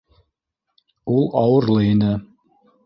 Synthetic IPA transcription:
ulˠɑwɤ̆ɾlˠɤinɘ

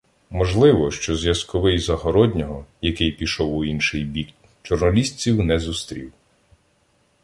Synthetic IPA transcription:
mɔʒlˠɪʋɔʃt͡ʃɔzʲjɐskɔʋɪjzɐɦɔɾɔdʲnʲɔɦɔjɐkɪjpʲiʃɔwʊinʃɪjbʲik | t͡ʃɔrnɐlʲisʲt͡sʲiwnɛzust̪ɾʲḭw

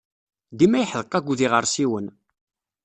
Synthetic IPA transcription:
d̪imæjħðəqːɑɡʷuðiʁəɾˤsiwən

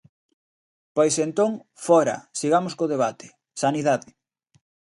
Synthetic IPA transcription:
pojsent̪oŋ | fɔɾɐ̰siɣamoskoðeβat̪e̥ | saniðaðɪ

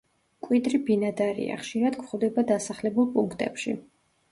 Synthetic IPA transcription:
kʼwid̪ɾibinad̪aɾḭa̰χʃiɾad̪kʰχɔvd̪ɛbad̪asaχlɛbulˠpʼuŋkʰt̪ʼɛ̰pʃḭ

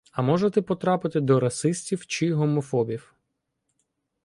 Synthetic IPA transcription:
ɐmɔʒet̪ɛpɔt̪ɾɑpɪt̪ɪd̪ɔɾɐsɪsʲtʲiwt͡ʃɪɦɔmɔfɔbʲiw

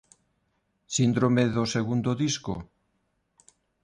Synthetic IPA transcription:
sind̪ɾomeðoseɣund̪oðisko̰

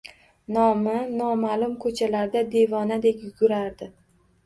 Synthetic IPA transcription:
nɒmɪnɒmalˠʊmkʰɵt͡ʃʰalaɾd̪ad̪e̞vɒnad̪e̞kʲjʊɡʲʊɾaɾd̪ɪ

